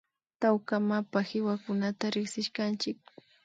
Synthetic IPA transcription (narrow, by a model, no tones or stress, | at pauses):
t̪awkamapahɪwakʊnat̪aɾɪksɪʃkant͡ʃɪk̚